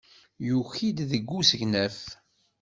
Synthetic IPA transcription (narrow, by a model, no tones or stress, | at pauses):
juçid̪ðəɡʷːusəʝnæθ